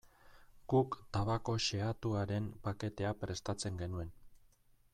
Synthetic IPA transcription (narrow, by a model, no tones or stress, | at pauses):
ɡ̥ukt̪aβako̞ʃe̞at̪uaɾe̞mpake̞t̪e̞apɾe̞st̪at͡se̞ŋɡe̞nue̞n